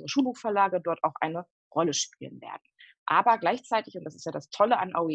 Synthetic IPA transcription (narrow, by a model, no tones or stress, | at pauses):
ʁəʃuːlbuːxfɛɐlaːɡədɔɐtaʊxʔaɪnə | ʁɔləʃpiːlə̰nvḛːɐd̚n̩ | ʔaːbɐɡlaɪçt͡saɪtɪçʊntd̥asɪ̥stjaːdastʰɔləʔa̰nʔaʊi